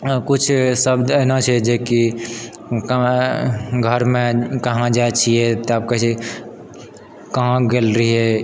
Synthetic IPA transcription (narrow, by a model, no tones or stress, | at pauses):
kut͡ʃʰsəbd̪ənat͡ʃʰɛd͡ʒeki | k | ɡʱəɾmẽkəɦãd͡ʒaet͡ʃʰiɛt̪oaːp̚kei | kəɦãɡelɾəɦiɦɛ